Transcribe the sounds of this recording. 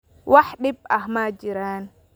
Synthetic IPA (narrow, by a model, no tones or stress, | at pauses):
waħɗib̚ahmad͡ʒiɾaːn